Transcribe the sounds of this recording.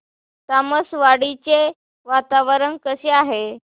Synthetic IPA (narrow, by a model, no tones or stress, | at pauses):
t̪aməsʋaɽit͡ɕe | ʋat̪aʋəɾənkəseaɦe